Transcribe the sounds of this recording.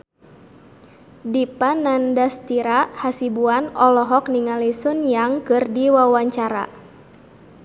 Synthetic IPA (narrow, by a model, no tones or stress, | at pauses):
dipanandast̪iɾahasibuanɔlɔɦɔk̚niŋalisʊnjaŋkɨrdiwawaɲt͡ʃaɾa̰